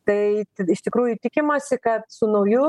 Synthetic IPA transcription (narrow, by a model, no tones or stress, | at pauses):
t̪ɐɪt̪ɪʃt̪ʲɪkɾuːjʊt̪ʲɪkʲɪmɐsʲɪkɐt̪sʊnɐʊjʊ